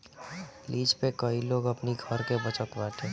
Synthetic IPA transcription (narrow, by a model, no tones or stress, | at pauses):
liːd͡ʒpekəiloːɡəpniɡʱəɾkebət͡ʃəkbaːʈʰeː